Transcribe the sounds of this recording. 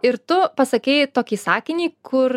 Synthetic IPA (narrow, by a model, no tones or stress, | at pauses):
ɪɾt̪ʊpɐsɐkʲɛɪt̪oːkʲiːsɑːkʲɪnʲiːkʰʊɾ